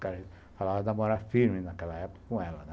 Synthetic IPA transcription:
kɛɾɐ | falavɐnamoɾafiɾmɪnakɛlɐɛpʊ̥kɐ̥kõɛlɐnɛ

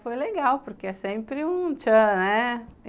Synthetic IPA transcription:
fojleɡawpoɾkeɛsẽmpɾɪũt͡ʃɐ̃nɛ

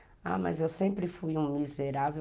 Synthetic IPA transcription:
a̰mɐ̰zewsẽpɾɪfujũmizeɾave

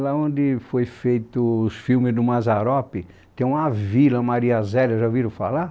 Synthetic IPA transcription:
laõd̪ɪfojfejt̪ʊːsfiwmɪzd̪ʊmazaɾɔpɪ | t̪ẽj̃ũavilɐmaɾiazɛlewʒaviɾʊfa̰la

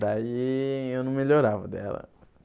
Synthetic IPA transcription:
d̪aiewnɐ̃w̃meʎoɾavɐd̪ɛ̰lɐ̰

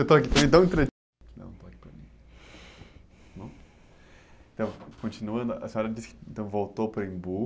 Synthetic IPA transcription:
ewt̪oakipɾɐmĩt̪ɐ̃ĩt̪ɾe | nɐ̰̃ñt̪oaki̥pɾɐ̰mĩ | mɐ̃ | ẽt̪ɐ̃w̃kõt͡ʃinuɐ̃nd̪ʊɐsẽɔɾɐd͡ʒisɪ̥kɪẽnt̪ɐ̃w̃vowt̪opɾɐĩbu

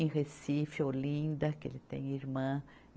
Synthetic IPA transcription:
ʁesifolĩnd̪ɐkḛlɪt̪ḛ̃j̃iɾmɐ̃

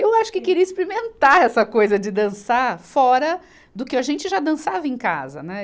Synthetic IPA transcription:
ewaʃʊ̥kɪkɪɾiɐisplimẽnt̪aɾɛsɐkojzɐd͡ʒɪd̪ɐ̃saɾfɔɾɐ | d̪ʊkɪɐʒẽnt͡ʃɪʒad̪ɐ̃savɐẽka̰zɐ̰nɛ

